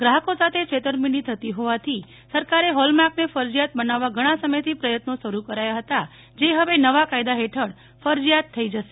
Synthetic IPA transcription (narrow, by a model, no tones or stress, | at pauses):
ɡɾaɦəkosat̪ʰet͡ʃʰet̪əɾminit̪ʰət̪iɦoʋat̪ʰi | səɾkaɾeɦɔlmaknefəɾd͡ʒjat̪̚bənaʋːãɡʱəɽ̃ãsəməjt̪ʰipɾəjət̪noʃəɾukəɾajaɦət̪a | d͡ʒeɦəʋenəʋakajd̪aɦeʈʰəɽ | fəɾd͡ʒjat̪ʰːəid͡ʒəʃe